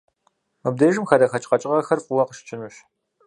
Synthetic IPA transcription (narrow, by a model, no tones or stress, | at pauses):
ɨb̚deʒɨmxɐdɐxɐt͡ʃʼqɐt͡ʃʼɪʁɐxɐrfʼʊwɐqəʃt͡ʃʼɪnɨɕ